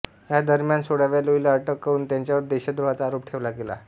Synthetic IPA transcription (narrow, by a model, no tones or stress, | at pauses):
ɦjad̪əɾmjansoɽaʋaloilaəʈəkːəɾuːnt̪jaɲt͡ɕjaʋəɾd̪eɕad̪ɾuʋat͡saːɾopʈʰeʋlaɡela̰